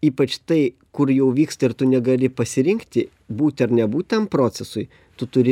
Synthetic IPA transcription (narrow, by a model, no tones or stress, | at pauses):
iːpɐt͡ʃt̪ɐɪ | kʊɾjɛʊʋʲiːkst̪ɐɪɾt̪ʊnʲɛɡɐlʲɪpɐsʲɪɾʲɪŋkt̪ʲɪ | buːt̪ʲɐɾnʲɛbuːt̪ʲtɐmpɾoːsʲɛsʊɪ | t̪ʊt̪ʊɾʲɪ